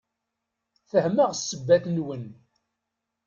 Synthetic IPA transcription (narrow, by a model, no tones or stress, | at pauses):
θəhməʁsːəbːæθnwən